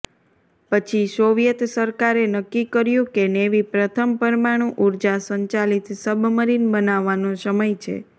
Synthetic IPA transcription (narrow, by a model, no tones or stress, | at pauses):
pət͡ʃʰisoʋijət̪səɾkaɾenəkːikəɾjũkeneʋipɾət̪ʰəmpəɾmaɽ̃ũʔuɾd͡ʒasəɲt͡ʃalit̪səbʱməɾinbənaʋːanõsəməjt͡ʃʰḛ